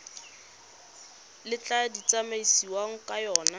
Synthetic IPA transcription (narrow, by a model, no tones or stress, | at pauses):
lɪt͡ɬʼadit͡sʼamaisiwaŋ̩kʼajɔːna